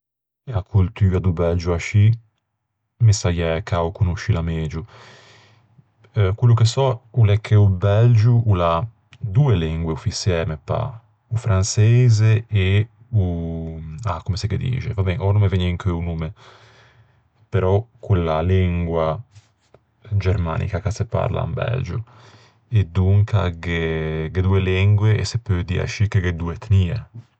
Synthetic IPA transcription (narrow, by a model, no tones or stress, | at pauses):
akʰult̪yːad̪ubɛld͡ʒuaʃi | misajɛkʰaukunuʃːilameːd͡ʒu | kwilːukesɔulɛkʰːeubɛld͡ʒuʔula | d̪uːeliŋɡweufisjɛːmepa̰ | ufɾansɛːzee | u | akːomeseked̪ḭːt͡ʃḛvabɛnʔɔnumeveɲiŋkeunume | peɾɔkʰːulːaliŋɡwa | d͡ʒeɾma̰ːnʔḭkakasepa̰ɾla̰mbɛ̰ld͡ʒu | ed̪ːuŋkaɡeɡed̪uːelɛŋɡweḛsepːød̪ia̰ʃikːeked̪uet̪niːe